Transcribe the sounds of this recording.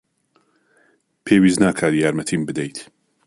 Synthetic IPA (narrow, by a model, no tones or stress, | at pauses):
pʰeːwiːznaːkʰaːɾjaːɾmɐt̪ʰiːmbɨd̪ejt̪ʰ